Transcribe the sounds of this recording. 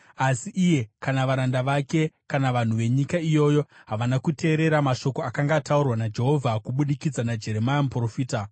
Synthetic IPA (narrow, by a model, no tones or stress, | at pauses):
asiʔije̞kanaʋaɾandaʋake̞kanaʋan̤uʋe̞ɲikaijo̞ːjo̞ɦaʋanakute̞ːɾe̞ɾamaʃo̞ko̞akaŋɡaːtaurwanad͡ʒe̞ɦo̞vʱakuɓuɗikid͡zanad͡ʒe̞ɾe̞majamupro̞fiːta